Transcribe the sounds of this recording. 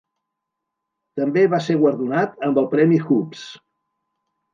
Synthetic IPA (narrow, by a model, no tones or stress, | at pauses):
t̪əmbeβaseɣwəɾðunat̪əmbəlˠpɾɛmixups